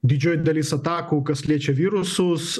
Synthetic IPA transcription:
d̪ʲɪd͡ʒʲoːjd̪ɐlʲiːsɐt̪ɑːkukɐsʲlʲiɛt͡ʃʲɛʋʲiːɾʊsʊs

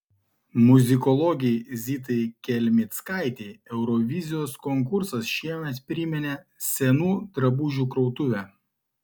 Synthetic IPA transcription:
mʊzʲɪkɔlˠɔɡʲɛzʲit̪̬ɐɪkʲɛlʲmʲɪt̪skɑˑɪt̪ʲeːɛʊɾɔʋʲɪzʲɪjoːskɔŋk̬ʊɾsɐsʃʲiɛmʲɛt̪pʲɾʲɪmʲɛnʲɛ | sʲɛnuːd̪ɾɐbuʒʲuːkɾɔʊt̪ʊʋʲæː

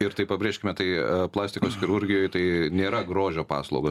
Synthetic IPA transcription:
ɪɾt̪ɐɪpɐbʲɾʲeːʃʲkʲɪmʲɛt̪ɐɪplˠɑːsʲt̪ʲɪkoːsxʲɪɾʊɾʲɡʲɪjoːjt̪ɐɪnʲeːɾɐɡɾoːʒʲoːpɑ̰ːslˠɐʊɡɐ

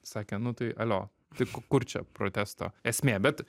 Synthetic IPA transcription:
sɑːkʲɛnʊt̪ɐɪʔɐlʲoː | t̪ɐɪkkʊɾt͡ʃʲɛ̰pɾoːt̪ʲæːst̪o̰ːɛsʲmʲeːbʲɛt̪

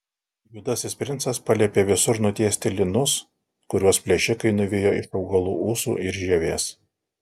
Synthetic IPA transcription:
juːd̪ɐsʲɪsʲpʲɾʲɪnsɐspɐlʲɛpʲeːʋʲɪsʊɾnʊt̪ʲiɛsʲt̪ʲɪlʲɪnʊs | kʊɾʲuɔspʲlʲɛʃʲɪkɐɪnʊʋʲejoːɪʃɒʊɡɐlˠṵːuːsṵːʔɪɾʒʲɛʋʲeːs

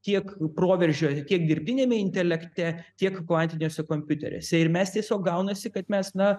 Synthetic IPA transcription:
t̪ʲiɛkproːʋʲɛɾʲʒʲoːst̪ʲiɛk̚d̪ʲɪɾʲb̚ʲd̪ʲɪnʲeːmʲɛɪnʲt̪ʲɛlʲɛkt̪ʲɛt̪ʲiɛkklˠɐnʲt̪ʲɪnʲoːsʲɛkoːmʲpʲʊt̪ʲɛ̰ɾʲo̰ːsʲɛɪɾmʲɛst̪ʲiɛsʲoːkɡɐʊnɐsʲɪkɐt̪mʲɛsnɐ

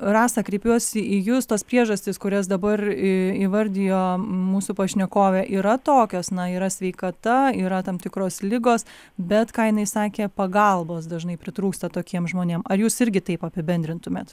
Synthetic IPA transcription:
rɑːsɐkɾʲɛɪpʲuɔsʲɪʔijʊst̪oːspʲɾʲiɛʒɐsʲt̪ʲɪskʊɾʲɛsd̪ɐbɐrɪiʋɐɾʲd̪ʲɪjoːmuːsupɐʃʲnʲɛkoːʋʲɛːʔiːɾɐt̪oːkʲoːsnɐiːɾɐsʲʋʲɛɪkɐt̪ɐiːɾɐt̪ɐmt̪ʲɪkɾoːslʲɪɡoːs | bʲɛt̪kɑːjɪnɐɪsɑːkʲeːpɐɡɐlˠboːsd̪ɐʒnɐɪpʲɾʲɪt̪ɾuːkst̪ɐt̪oːkʲiɛmʒmoːnʲeːmɐɾjuːsɪɾʲɡʲɪt̪ɐɪpɐpʲɪbʲɛnʲd̪ʲɾʲɪnt̪ʊmʲeːt̪

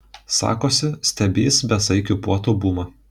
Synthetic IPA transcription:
sɑ̰ːkoːsʲɪsʲt̪ʲɛbʲeːsbʲɛsɐɪkʲʊpuɔt̪oːbuːmɐ

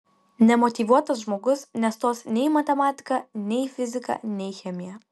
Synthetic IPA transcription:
nʲɛmɔt̪ʲiːˑʋuɔt̪ɐsʒmoːɡʊsnʲɛst̪oːsnʲɛɪmɐt̪ʲɛmɑːt̪ʲɪ̥kɐnʲɛɪfʲɪzʲɪkɐ̰nʲɛɪxʲɛmʲɪjɛ

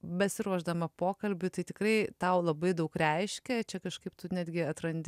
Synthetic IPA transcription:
bʲɛsʲɪɾuɔʒd̪ɐmɐpoːkɐlʲbʲʊt̪ɐɪt̪ʲɪkɾɐɪt̪ɐʊlˠɐbɐɪd̪ɐʊkɾʲɛɪʃʲkʲɛt͡ʃʲɛkɐʃkɐɪp̚t̪ʊnʲæːd̪ʲɡʲɪɐt̪ɾɐnʲd̪ʲ

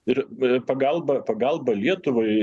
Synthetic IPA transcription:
ɪɾpɐɡɐlˠbɐpɐɡɐlˠbɐlʲiɛt̪ʊʋɐɪ

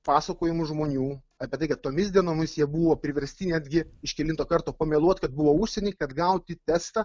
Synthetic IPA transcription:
pɑːsɐkoːjɪmʊʒmoːnʲuː | ɑːpʲɛt̪ɐɪkɐt̪t̪ːoːmʲɪsʲd̪ʲiɛnoːmʲɪsjiɛbuʋoːpʲɾʲɪʋʲɛɾʲsʲt̪ʲɪnʲæd̪ʲɡʲɪɪʃkʲɛlʲɪnt̪oːkɐɾt̪oːpɐmʲɛːlˠuɔt̪kɐt̪̚bʊʋoːuʃʲsʲɛnʲɛːkɐt̪ɡɐʊt̪ʲɪt̪ʲɛst̪ɐ

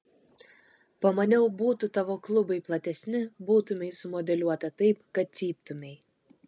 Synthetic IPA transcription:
pɐmɐnʲɛʊbuːt̪ʊt̪ɐʋoːklˠʊbɐɪplˠɐt̪ʲɛsʲnʲɪbuːt̪ʊmʲɛɪsʊmɔd̪ʲɛlʲuɔt̪ɐt̪ɐɪpkɐt̪̚sʲiːp̚t̪ʊmʲɛɪ

